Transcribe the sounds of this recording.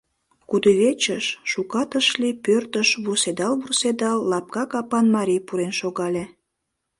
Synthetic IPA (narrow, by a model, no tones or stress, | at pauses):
kud̪uβet͡ɕəʃʃukɑt̪əʃlipørt̪əʃβused̪ɑlβursed̪ɑlːɑp̚kɑkɑpɑnmɑɾʲijpuɾenʃoɣɑlʲe